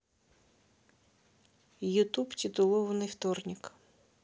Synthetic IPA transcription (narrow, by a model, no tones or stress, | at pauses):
jʊt̪uptʲɪt̪ʊlˠɔʋɐnɪjwt̪ɔrnʲik